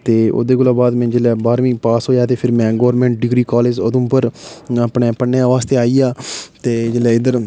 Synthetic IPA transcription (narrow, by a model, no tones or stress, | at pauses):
t̪eːo̰ːd̪eːkʊlaːbaːd̪mɛ̃ːd͡ʒeːlɛːbaːɾʋĩːpaːsɦoːjaːt̪eːpʰɪɾmɛ̃ːɡoːɾmẽːɳʈ̚ɖɪɡɾiːkaːleːd͡ʒəd̪õːpəɾaːpneːpənːeaʋaːst̪eːaːiːaːt̪eːd͡ʒelɛːɪd̪əɾ